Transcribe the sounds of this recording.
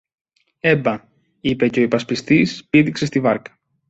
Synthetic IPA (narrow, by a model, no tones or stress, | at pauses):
e̞bɐ | ipe̞ceipɐspist̪ispiðikse̞st̪ivɐɾkɐ̥